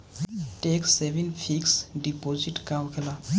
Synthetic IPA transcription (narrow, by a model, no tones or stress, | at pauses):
ʈekseʋẽnfʰiksɖipoziʈkawkʰela